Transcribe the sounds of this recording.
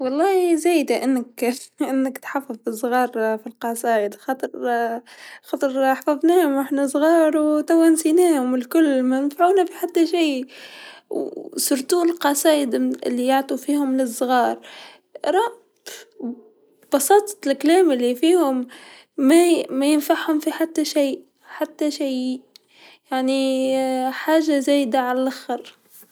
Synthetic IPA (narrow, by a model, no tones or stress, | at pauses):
wɑlˤːɑːhizæːjd̪aʔɪnːɪkʔɪnːɪkt̪ħafːɑðfisˤːɣɑːɾˤfilqɑsˤɑːjɪd̪xɑːt̪ˤɨɾˤ | xɑːt̪ˤɨɾˤħfavnæːhʊmʔaħnasˤɣɑːɾˤwt̪awansiːnæːhʊmɪlkʊlːmajɪnfaʕuːnafiħat̪ːaʃiː | sʊɾt̪uːlqɑsˤɑːjɪd̪ɪ̰lːijaʕt̪ˤufiːhʊmlɪsˤːɣɑːɾˤ | ɾˤɑ | b̥ɑsˤɑːt̪ˤlkælæːmɪlːifiːhʊmː | æmæjɪnfaʕhʊmfiħat̪ːaʃij | ħat̪ːaʃij | jaʕni | ħaːʒazæːjɪd̪aʕalælʔaxɑɾ